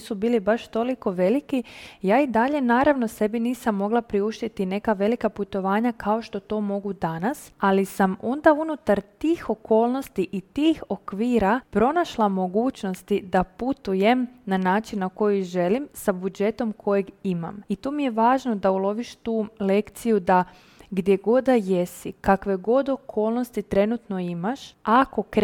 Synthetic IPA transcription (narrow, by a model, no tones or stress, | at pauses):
subiːlibaʃt̪o̞liko̞ʋe̞likijaːid̪aʎe̞naːɾaʋno̞se̞biniːsamːo̞ɡlapɾiuʃt̪it̪ine̞kaʋe̞likaput̪o̞ʋaːɲakʰao̞ʃt̪o̞t̪o̞ːmo̞ɡud̪anasalisamo̞nd̪aunut̪aɾt̪iːxo̞kʰo̞ːlˠno̞st̪iʔit̪iːxo̞kʋiːɾapɾo̞naʃlˠamo̞ɡuːt͡ɕno̞st̪id̪aput̪uje̞mnanaːt͡ʃinːako̞jiʒe̞limsabud͡ʒe̞t̪o̞mkʰo̞jeɡima̰mit̪oːmije̞ʋaːʒno̞d̪aulˠo̞ʋiʃt̪uːle̞kt̪sijud̪a | ɡd̪je̞ɡo̞d̪ajesikakʋe̞ɡo̞d̪o̞kʰoːlˠno̞st̪it̪ɾe̞nut̪no̞imaʃako̞k